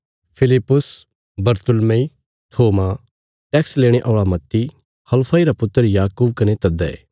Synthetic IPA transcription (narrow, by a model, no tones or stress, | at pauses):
pʰɪlɪpːʊs | bɐɾt̪ʊlmei | t̪ʰoːma | ʈɛːksleːɽ̃eʔɔːɭamɐt̪ːi | hɐlpʰaiɾapʊt̪ːəɾjaːkub̚kɐnet̪ɐd̪ɛḛː